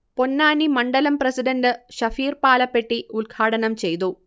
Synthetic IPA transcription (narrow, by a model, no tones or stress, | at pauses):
po̞nːaːnimɐɳɖɐlɐmprɐsiɖɐndɨɕɐfiːrpaːlɐpːe̞ʈːiulɡʰʱaːɽɐnɐmt͡ɕe̞jt̪̬u